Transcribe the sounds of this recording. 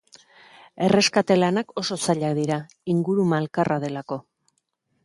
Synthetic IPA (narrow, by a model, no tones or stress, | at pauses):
e̞re̞skat̪e̞lanako̞so̞saʎak̚d̪iɾa | iŋɡuɾumalkarʔað̞e̞lako̞